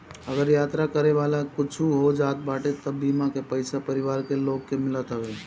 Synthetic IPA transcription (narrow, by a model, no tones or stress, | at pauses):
ɐɡəɾjaːt̪ɾakəɾeʋaːlakʊt͡ʃʰuɦod͡ʒaːt̪̚baːʈet̪ɐbːiːmãkepəɪsapɐɾɪʋaːɾkeloːɡkemɪlət̪ɦəʋeː